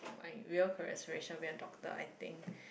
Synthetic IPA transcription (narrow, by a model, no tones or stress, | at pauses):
ma̰ɪɹiəlkʰɔɹɛ̰səɹeʃə̃nwiə̃dɔk̚t̪ə̰a̰jt̪ɪ̰̃ŋk